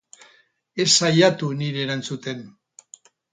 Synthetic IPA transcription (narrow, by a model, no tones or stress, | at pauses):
e̞sajat̪uniɾe̞ːɾant͡sut̪e̞n